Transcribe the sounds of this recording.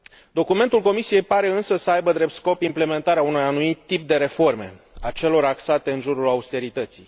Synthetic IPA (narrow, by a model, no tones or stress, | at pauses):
d̪o̞kume̞nt̪ulko̞misije̞jpaɾe̞ɨnsəsəajbəd̪ɾe̞p̚t̪sko̞pimple̞me̞nt̪aɾeaunojanumit̪ːip̚d̪e̞ɾe̞fo̞rme̞̰at͡ʃe̞lo̞ɾaksat̪e̞ɨnʒuɾulaust̪e̞ɾit̪ət̪sij